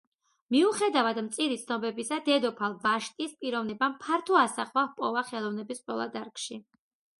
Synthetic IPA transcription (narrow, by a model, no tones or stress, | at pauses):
miuχɛd̪avad̪mt̪sʼiɾit̪sʰnɔbɛbisad̪ɛd̪ɔpʰalˠvaʃt̪ʼispʼiɾɔvnɛbampʰaɾt̪ʰɔasaχvahpʼɔvaχɛlˠɔvnɛbispʼɾɔlˠa̰d̪aɾkʼʃi